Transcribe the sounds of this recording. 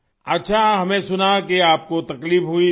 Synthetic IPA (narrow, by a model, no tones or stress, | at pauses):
ɐtːʃʰaɦɐmẽsʊnakeaːp̚kot̪ɐkliːfɦui